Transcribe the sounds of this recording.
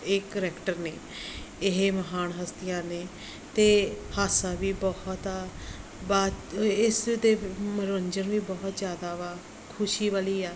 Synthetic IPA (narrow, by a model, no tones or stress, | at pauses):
eːkːəɾɛːkʈəɾneː | ɪɦeːməɦaːnɦəst̪ɪjãːneː | t̪eːhaːsaːʋiːbɔht̪aːbaːɪsd̪eːmɾəɲd͡ʒənʋiːbɔːɦt̪zjaːd̪aːʋaː | kʰʊʃiːʋəliːaː